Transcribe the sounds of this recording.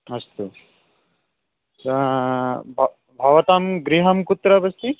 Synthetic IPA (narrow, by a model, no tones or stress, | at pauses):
ɐst̪u | sɐ | bʱ | bʱɐʋɐt̪aːmɡɾiɦɐmkut̪ɾɐbɐst̪i